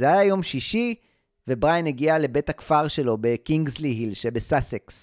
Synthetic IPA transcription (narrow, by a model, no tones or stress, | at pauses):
zeajajo̞mʃiʃi | vebʁajeneɡiale̞be̞thakfaʁʃe̞lo̞be̞kiŋɡzliɦilʃebesaseks